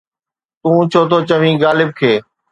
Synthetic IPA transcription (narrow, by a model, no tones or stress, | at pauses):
t̪ũːt͡ʃʰoːt̪ʰoːt͡ɕəʋ̤ĩːɡaːlɪb̚kʰeː